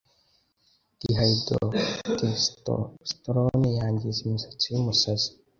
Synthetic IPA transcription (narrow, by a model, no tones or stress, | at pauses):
d̥iɦaido̰t̪esto̰st̪ɾonejaːɲɟizimusḁt͡simusazi̥